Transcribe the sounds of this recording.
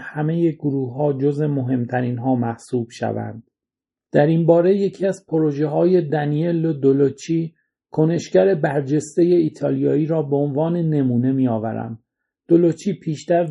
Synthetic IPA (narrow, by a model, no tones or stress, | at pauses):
hæme̞je̞ɡoɾuːhɒːd͡ʒozemo̞ɦe̞mt̪ʰæɾiːnɦɒːmæhsuːb̥ʃæ̰væ̰nd̪̥̚ | d̪̥æɾinbɒːɾe̞je̞cʰiːæzpʰoɾo̞ʒe̞ɦɒːje̞d̪ænielod̪olot͡ʃʰiː | kʰo̞ne̞ʃcæɾe̞bæɾd͡ʒe̞st̪e̞je̞iːt̪ʰɒːlijɒːiːɾɒːbe̞onvɒːne̞ne̞muːne̞miːɒːvæ̰ɾæ̰nd̪ | d̪̥olot͡ʃʰiːpʰiːʃt̪æɾ